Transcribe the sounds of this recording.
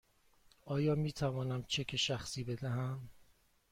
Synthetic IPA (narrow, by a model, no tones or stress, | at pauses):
ʔɒːjɒːmiːt̪ʰævɒːnæmt͡ʃʰekʲʰeʃæxsiːbe̞d̪æɦæm